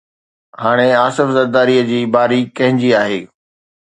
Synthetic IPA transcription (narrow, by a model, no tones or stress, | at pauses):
haːɽ̃eaːsɪfzɐɾd̪aːɾiəd͡ʑiːbaːɾikɐ̃ɦɪ̃ɲd͡ʑiaːɦḛː